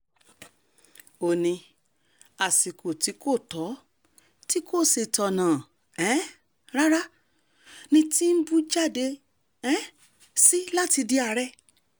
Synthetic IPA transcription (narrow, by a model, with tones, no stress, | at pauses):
o˨nĩ˧ | a˨si˨ko˨ti˨˦ko˦˨tɔ˨˦ | ti˦ko˦˨se˨tɔ˨nãː˨ | ɛ̃˨˦ | ɾa˦ɾa˦ | nĩ˧˦ti˦n̩˦bu˦d͡ʒa˦˨de˧ | ɛ̃˨˦ | si˦la˦ti˧di˧a˧ɾɛ˦˧